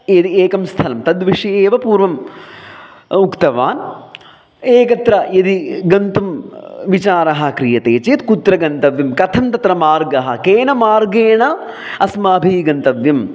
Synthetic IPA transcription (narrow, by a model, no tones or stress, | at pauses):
jɐd̪ieːkɐmst̪ʰɐlɐmt̪ɐd̪ʋiʂɐjeːʋɐpuːɾʋɐm | ukt̪ɐʋaːn | eːkɐt̪ɾɐjɐd̪iɡɐnt̪umʋit͡ʃaːɾɐɦɐ̆kɾijɐt̪eːt͡ʃeːt̪kut̪ɾɐɡɐnt̪ɐʋjɐmkɐt̪ʰɐmt̪ɐt̪ɾɐmaːɾɡɐɦɐ̆keːnɐmaːɾɡeːɳɐ | ɐsmaːbʱiːɡɐnt̪ɐʋjɐm